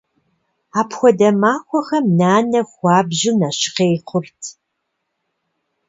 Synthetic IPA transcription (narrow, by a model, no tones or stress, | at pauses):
aːpxʷɔdɐmaːxʷɔxɐmnaːnɐxʷɑːbʑɪnɐɕɪ̥qeːjqʷʰʊrtʰ